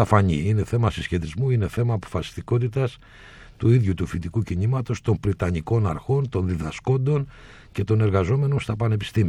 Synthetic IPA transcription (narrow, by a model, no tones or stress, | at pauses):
ɐfɐɲḭine̞θe̞mɐsisçe̞t̪izmuine̞θe̞mɐːpo̞̥fɐsi̥st̪iko̞t̪̬it̪ɐs | t̪uiðʝut̪ufit̪ikucinimɐt̪o̞st̪o̞mbɾit̪ɐɲiko̞nɐ̰ɾxo̞nt̪o̞nðiðɐsko̞nd̪o̞n | ce̞t̪o̞ne̞ɾɣɐzo̞me̞no̞nst̪ɐpɐne̞pi̥st̪imi